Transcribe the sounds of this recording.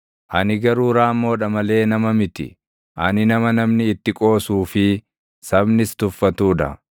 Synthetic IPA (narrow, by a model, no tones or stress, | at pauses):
ʔɐnɪɡɐɾuːɾaːmːo̞ːᶑɐmɐle̞ːnɐmɐmɪt̪ɪ̰ | ʔɐnɪnɐmɐnɐmnɪːt̪ːɪkʼo̞ːsuːfɪ | sɐbnɪst̪ʊfːɐt̪uːᶑ̪ɐ̰